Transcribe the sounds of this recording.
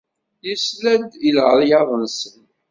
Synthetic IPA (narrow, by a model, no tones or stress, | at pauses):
jəslænd̪ilʁəɾˤjɑðˤənsən